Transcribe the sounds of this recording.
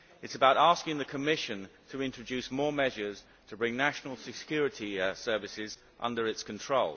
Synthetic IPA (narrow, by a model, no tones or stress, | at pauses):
ɪtsəbaʊɾɑˑskɪ̃ŋðəkʰəmɪʃə̃ntʰəɪ̃nt͡ʃɹ̥əd͡ʒʉˑsmɔːɹmɛʒəz̥ | tʰəbɹɪ̃ŋnaʃnəlˠsɪkʰj̥ɔːɹɪtʰisɜ˞vɪsɪz | ʔʌ̰̃ndəɹɪtskʰə̃ntʰɹ̥oʊlˠ